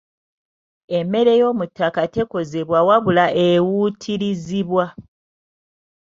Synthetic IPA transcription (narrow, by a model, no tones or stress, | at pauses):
eme̞ɾe̞jo̞ːmutːakate̞ko̞ze̞βwawaβulaʔewutʰiɾiziβwa